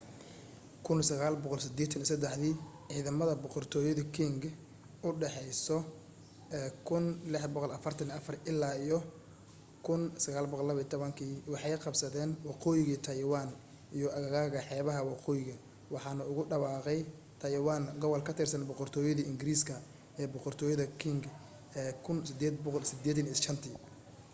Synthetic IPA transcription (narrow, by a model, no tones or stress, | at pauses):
kʰʊnsɐɣaːlbɔqɔlsɪd̪ɛːt̪ʰɐnisɐd̪ɛħðiːʕiːðɐmɐðɐbɔqɔrt̪ʰɔːjɐðɐkʰiŋɡ | ʊɖɛħɛjsɔ | ɛkʰʊnlɪħbɔqɔlɐfɐrt̪ʰɐniɐfɐrɪlːaːijɔ | kʰʊnsɐɣaːlbɔqɔlːɐβit̪ʰɔβɐŋkʰiːwɑħɑjqɑbsɐðɛːnwɑqɔːjɪɣiːt̪ʰɐjwaːn | ʔijɔʔɐɣɐɣaːɣɐħɛːβɐɦɐwɑqɔːjɪɣɐ | wɑħɑːnɐʊɣʊɖɑwɑːqɛj | t̪ʰɐjwaːŋɡɔβɔlkʰɐt̪ʰɪrsɐnbɔqɔrt̪ʰɔːjɐðɐɪŋɡɪɾiːskʰɐ | ɛːbɔqɔrt̪ʰɔːjɐðɐkʰɪŋɡ | ɛːkʰʊnsɪd̪ɛːd̪bɔqɔlsɪd̪ɛːd̪ɐniʃɐnt̪ʰɪ